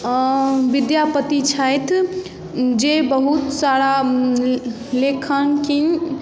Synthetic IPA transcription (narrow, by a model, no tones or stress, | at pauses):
ʋid̪japət̪it͡ʃʰəjt̪ʰ | d͡ʒebəɦut̪saɽa | lekʰənkin